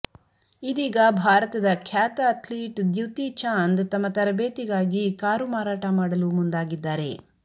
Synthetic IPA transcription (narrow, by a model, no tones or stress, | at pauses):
id̪iːɡɐbʱaːɾɐt̪ɐd̪ɐkʰjaːt̪ɐɐt̪ʰliːʈd̪juwt̪it͡ʃaːnd̪t̪ɐmːɐt̪ɐɾɐbeːt̪iɡaːɡikaːɾumaːɾaːʈɐmaːɽɐlumund̪aːɡid̪ːaːɾe̞̰